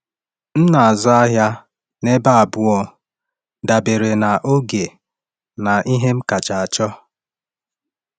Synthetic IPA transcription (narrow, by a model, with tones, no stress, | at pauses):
n̩˦na˨a˨zɔ˦a˦ɦja˦ | ne˦ba˦a˨bʊ˦ɔ˦ | da˨be˨ɾe˨na˨ʔo˦ɡe˨ | na˨ʔi˦ɦe˦m̩˦ka˨t͡ʃa˨a˨t͡ʃɔ˦